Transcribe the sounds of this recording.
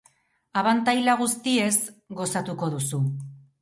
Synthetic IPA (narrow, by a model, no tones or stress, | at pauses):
aβant̪ajlaɣ̞ust̪ie̞zɡo̞sat̪uko̞ð̞usu